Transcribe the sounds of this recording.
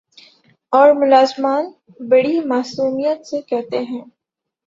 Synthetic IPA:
ɔːɾmʊlaːzmaːn | bɐɽimaːsuːmijət̪sekɛɦt̪eɦɛ̃ː

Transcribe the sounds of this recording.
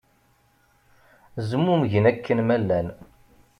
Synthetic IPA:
zəmːumʝənækʰːənmælːæn

